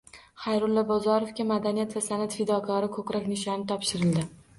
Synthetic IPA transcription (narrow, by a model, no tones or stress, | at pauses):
χajɾʊlːɒbɒzɒɾofkʲamad̪anijat̪vasanat̪fɪd̪ɒkʰɒɾɪkʰɵkɾɒkʲnɪʃɒnɪt̪ʰɒpʃɪɾɪld̪ɪ